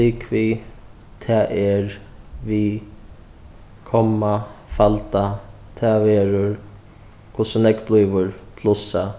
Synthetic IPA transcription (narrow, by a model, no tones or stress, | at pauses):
liːkʋiː | t̪ʰaːʔɛɹʋi | kʰɔmːafalt̪a | t̪ʰaːʋɛːɾʊɹ | kʰʊsʊnɛkbluːʋʊɹpʰlʊsa